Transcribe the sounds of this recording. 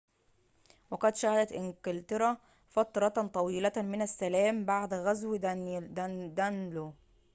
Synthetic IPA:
wɑqɑd̪ʃæhæd̪æt̪ʔɪŋkɪlt̪ɑɾˤɑ | fɑt̪ɾˤɑt̪t̪ˤɑwiːlæmɪnæsːælæːmbaʕd̪ɣæzw | d̪ænlo

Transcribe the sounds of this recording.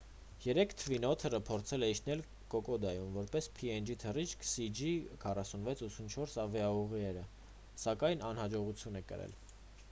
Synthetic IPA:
jɛɾɛkʰt̪ʰəvinɔt̪ʰərəpʰɔɾt͡sʰɛlɛiʃnɛl | kɔkɔd̪ɑjumvɔɾpɛspʰiɛnd͡ʒit̪ʰərit͡ʃkʰsid͡ʒikʰɑrɑsunvɛt͡sʰut͡sʰunt͡ʃʰɔɾsɑvjɑuʁiɛɾə | sɑkɑjnɑnhɑd͡ʒɔʁut͡sʰjunɛkə̰ɾɛ̰l

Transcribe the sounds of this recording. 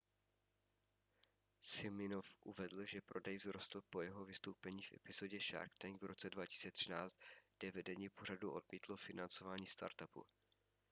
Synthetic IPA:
sɪlmɪnofʔuvɛdl̩ʒɛpɾo̞dɛjzɾost̪l̩po̞jɛɦo̞vɪst̪owpɛɲiːfʔɛ̰pɪzo̞ɟɛʃa̰ɾkt̪ɛŋɡvɾo̞t͡sɛdvaci̥si̥t͡sɛt̪r̝̥ɪnaːt͡st̪ɡdɛvɛdɛɲipo̞r̝aduʔo̞dmiːt̪lofɪnant͡so̞vaːɲiːst̪a̰ɾt̪apṵ

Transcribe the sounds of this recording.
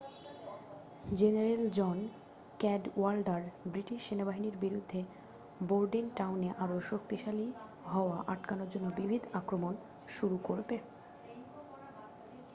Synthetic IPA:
d͡ʑeneɾeld͡ʑɔn | kɛɖwalɖaɾbɾiʈiʃːenabaɦiniɾbiɾud̪ʱːe | boɾɖinʈawneʔaɾoʃokt̪iʃali | ɦɔoaʔaʈkanoɾd͡ʑonːobibʱid̪akɾomon | ʃuɾukoɾbe

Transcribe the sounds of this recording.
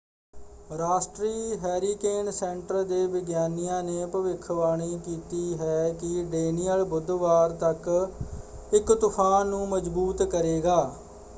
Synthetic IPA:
ɾaːsʈɾiːɦɛːɾiːkeːnsɛ̃ɳʈəɾd̪eːʋɪɡjaːnijãːneːpəʋɪkʰʋaːɽ̃iːkiːt̪iːɦɛːkɪɖeːnijəlbʊd̪ʋaːɾt̪ək | ɪkt̪ʊpʰaːnːũːməd͡ʒbuːt̪kəɾeːɡaː

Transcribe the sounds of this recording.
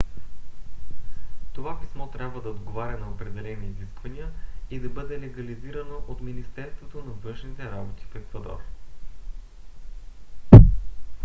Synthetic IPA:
t̪ovapi̥smɔt̪ɾʲabvəd̪ɐod̪ɡovaɾʲɐnɐopɾɛd̪ɛlɛniːziskvɐniəid̪ɐbɤd̪ɛlɛɡɐliziɾɐnoʔot̪minist̪ɛɾst̪vot̪onɐvɤ̃nʃnit̪ɛɾabot̪i̥fɛkvɐd̪ɔ̰r

